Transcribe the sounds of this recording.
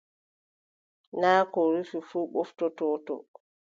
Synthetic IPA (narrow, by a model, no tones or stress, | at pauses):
naːkɔɾififuːɓoftɔtɔːtɔ̰